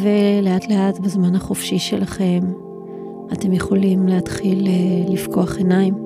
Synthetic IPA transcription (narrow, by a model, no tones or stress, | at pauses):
ve̞le̞atle̞atbezmanhaχofʃiʃe̞laχe̞m | ate̞mjeχo̞limleatχileːifko̞aχe̞naim